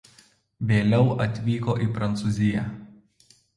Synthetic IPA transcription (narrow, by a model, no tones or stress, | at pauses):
ʋʲeːlʲɛʊʔɐt̪ʲʋʲiːkoːʔiːpɾɐnt̪suːzʲɪjæ